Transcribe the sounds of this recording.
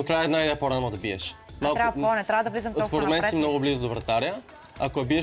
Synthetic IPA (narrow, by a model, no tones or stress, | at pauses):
ok̪ɾajɛd̪najɾɛpoɾanod̪ɐbiɛ̰ʃ | malˠt̪ɾaɔnɛt̪ɾavəd̪ɐvlizɐmɔspoɾɛɛt̪mɛnsimnɔɡʊblizod̪ovɾɐt̪aɾʲiə | akoɛbiɛ